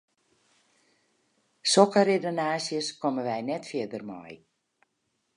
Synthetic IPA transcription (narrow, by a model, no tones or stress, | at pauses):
sokəɾedonaːsjəskɔməʋɛjnɛtfɪədərmɔ̰j